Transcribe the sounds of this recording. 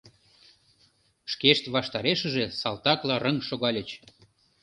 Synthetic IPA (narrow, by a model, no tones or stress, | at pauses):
ʃkeʃt̪βɑʃt̪ɑɾeʃə̆ʒesɑlt̪ɑklɑrə̆ŋʃoɣɑlʲət͡ɕ